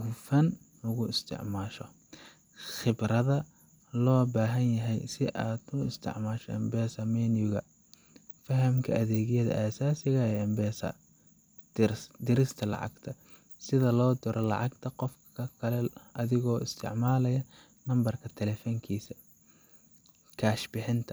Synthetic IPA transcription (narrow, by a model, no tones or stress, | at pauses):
ʊfɐn | lʊɣʊɪst̪ʰɪ̰ʕmaːʃɔ̰ | χɪbrɐðɐ | lɔːbaːɦɐnjɐɦɛjsɪʔaːd̪ʊɪst̪ʰɪ̰ʕmaːʃɔɛ̰mbɛːsɐmɛːnjʊɣɐ | fɐɦɐmkʰɐ̰ʔɐðɛːɣɪjɐðɐ̰ʔasaːsɪɣɐɛjɐmbɛːsɐ̰̥ | d̪ɪɾɪst̪ʰɐlɑ̰ʕɑ̰ɡt̪ʰɐ | sɪðɐlɔːd̪ʊɾʔɔlɑ̰ʕɑɡt̪ʰɐqɔfkʰɐkʰɐlɛʔɐðɪɣɔːɪst̪ʰɪ̰ʕmaːlɐjɐ | nɐmbɐrkʰɐt̪ʰɛlɛːfɔŋkʰiːsɐ | kʰaːʃbɪħɪnt̪ʰɐ̥